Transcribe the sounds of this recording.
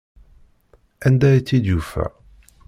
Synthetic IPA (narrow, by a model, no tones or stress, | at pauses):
ænd̪æjit͡sːid̪jufæ̰